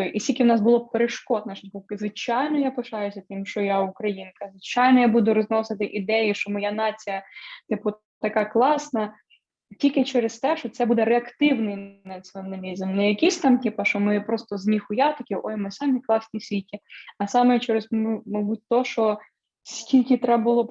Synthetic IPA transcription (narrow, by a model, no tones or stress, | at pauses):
jʔisʲilʲkʲɪwnɑsbʊlˠɔpeɾeʃkɔd̪nɐʃʲkɔp̚kɪzʋɪt͡ʃɑjnɔjapɪʃɑjʊsʲɐt̪ɪmʃt͡ʃɔjaʊkɾɐjinkɐzʋɪt͡ʃɑjnɔjabud̪ʊɾɔznɔsɪt̪ɪʔid̪ɛjiʃɔmɔjanɑt͡sʲijɐt̪ɪpʊ | t̪ɐkɑklˠɑsnɐ | tʲilʲkɪt͡ʃɛɾest̪ɛʃt͡ʃɔt̪sɛbud̪ɛɾeɐkt̪ɪwnɪjnɐt͡sʲiɔnɐlʲizmnɛjɐkʲisʲt̪ɑmt̪ɪpɐʃɔmɪpɾɔst̪ɔzmʲixʊjat̪ɐkʲɪʔɔjmɪsɑmʲiklˠɑsnʲisʲʋʲitʲiɐsɑmɛt͡ʃɛɾɪzmɐbut̚ʲt̪ɔʃɔ | sʲkʲilʲkɪt̪ɾɛbbʊlˠɔ